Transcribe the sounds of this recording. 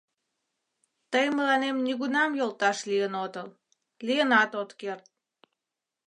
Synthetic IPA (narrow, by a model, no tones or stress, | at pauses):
t̪əjməlɑnemniɣunɑmjolt̪ɑʃlijənot̪əl | lijənɑt̪ot̪kert̪̚